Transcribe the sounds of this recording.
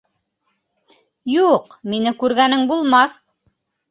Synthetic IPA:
juqminɘkʉɾɡænɘŋbulˠmɑθ

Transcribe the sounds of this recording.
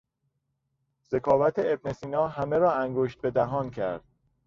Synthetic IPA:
z̥e̞kʰɒːvæt̪ʰeebnesiːnɒːɦæme̞ɾɒːæŋɡoʃt̪̚be̞d̪æɦɒːncʰæ̰ɾd̪̥̚

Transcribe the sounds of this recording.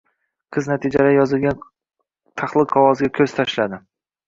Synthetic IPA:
qʰɨznat̪ʰɪd͡ʒalajɒzɪlɡʲan | t̪ʰaχlˠɨqʰɒwɒzɡʲakʲʰɵz̥t̪ʰaʃlad̪ɪ

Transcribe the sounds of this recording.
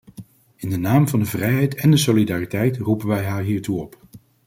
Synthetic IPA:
ɪndənaːmvɑndəvrɛjɦɛjtɛndəsolidaːritɛjtrupənʋɛjɦaːɹɦiːɹtuɔp

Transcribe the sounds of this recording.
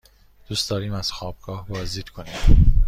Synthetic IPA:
d̪̥uːst̪d̪ɒːɾiːmæz̥xɒːb̥ɡ̥ɒːhbɒːzd̪iːd̪kʰoniːm

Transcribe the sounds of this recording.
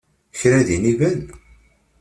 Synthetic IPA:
çɾæðinivæn

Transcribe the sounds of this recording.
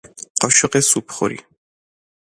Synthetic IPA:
qʼɔʃɛqʼɛsupʰχɔ̰ɾḭ

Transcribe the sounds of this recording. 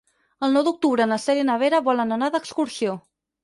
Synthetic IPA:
əlˠnɔwd̪uk̚t̪uβɾəːnəsɛɾjənəβ̞eɾəβɔlənənaðəkskuɾsio

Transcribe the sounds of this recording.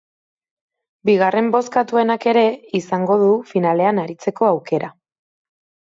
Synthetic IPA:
biɣ̞are̞mbo̞skat̪ue̞nake̞ɾe̞isaŋɡo̞ðufinale̞anaɾit͡se̞ko̞awke̞ɾʔa

